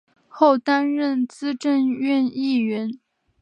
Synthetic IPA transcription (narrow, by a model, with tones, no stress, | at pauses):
xo˥˩ʊt̪a˥nɻə˥˩nt͡sɹ̩˥ʈ͡ʂə˥˧nɥɛ˥˧ni˥˩ɥɛ˧˥n